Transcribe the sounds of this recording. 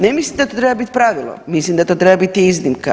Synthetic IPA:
nemislimd̪at̪ot̪ɾebabit̪ʲpɾaʋilˠo̰mislimd̪at̪ot̪ɾebabit̪iiznimka̰

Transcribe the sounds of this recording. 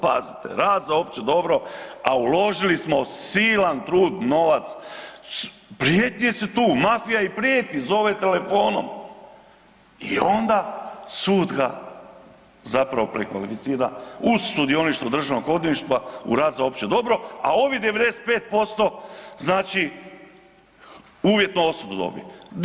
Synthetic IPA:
pa̰zi̥t̪ḛɾaːd̪zaoːpt͡ʃed̪o̞bɾo̞aulo̞ʒilismo̞siːlant̪ɾuːd̪no̞ʋat̪s | pɾijet̪ɲʲijeset̪uːmafijaipɾijet̪nʲizo̞ʋet̪e̞le̞fo̞ːno̰m | ḭo̞nd̪asuːd̪ɡa | zapɾaʋo̞pɾekʋa̰lifit̪siːɾa̰uzsud̪io̞niʃt̪vod̪r̩ʒanoko̞d̪iniʃt̪ʋaṵɾaːt̪zao̞pt͡ʃed̪o̞bɾo̞a̰o̞ʋid̪eed̪e̞se̥t̪̚pe̞ːt̪̚po̞st̪o̞znaːt͡ʃi | uːʋje̞t̪noo̞sud̪od̪o̰bḭ

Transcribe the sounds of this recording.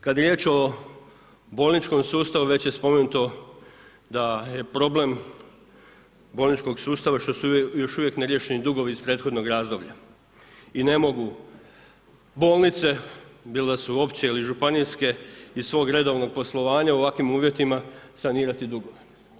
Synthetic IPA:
kad̪jeɾʲje̞t͡ɕo̞ | bo̞ːlˠnit͡ʃko̞msuːst̪aʋuʋe̞t͡ɕjespo̞me̞nut̪o̞ | d̪aje̞pɾo̞ble̞m | bo̞ːlˠnit͡ʃko̞ɡsuːst̪aʋaʃt̪o̞sujo̞ʃuʋje̞kne̞ɾje̞ʃe̞nid̪uɡo̞ʋiːspɾe̞ːt̪xo̞d̪no̞ɡɾaːzd̪o̞bʎa | ine̞mo̞ɡu | bo̞ːlˠnit̪se̞bild̪asuo̞pt͡ɕeiliʒupaniske̞isʋo̞ːɡɾe̞d̪o̞ʋno̞ɡ̚po̞slˠo̞ʋaːɲauʋakʋimuːʋje̞t̪imasaniːɾat̪id̪uɡoʋe

